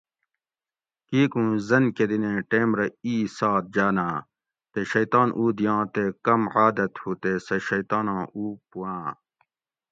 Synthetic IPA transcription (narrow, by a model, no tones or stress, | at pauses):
kiːkũːzɐnked̪inẽːʈeːmɾɐiːsaːt̪̚d͡ʑaːnaː | t̪eɕɐjt̪aːnʔuːd̪ijãːt̪eːkɐmʕaːd̪ɐt̪huːt̪eːsɐɕɐjt̪aːnãːʔuːpuwãː